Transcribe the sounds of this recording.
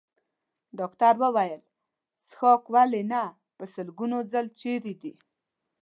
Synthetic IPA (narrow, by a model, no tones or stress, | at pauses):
ɖɑkt̪aɾwəwajəl | sxokwalena | pəsəlɡunozalt͡ʃeɾid̪i